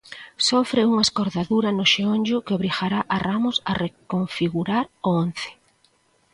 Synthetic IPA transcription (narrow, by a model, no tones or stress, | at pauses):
sofɾeuŋaeskoɾðaðuɾɐnoʃeonʲd͡ʒʊkɪoβɾixaɾaʔaramʊsarekoɱfiɣuɾaɾoon̟θe̥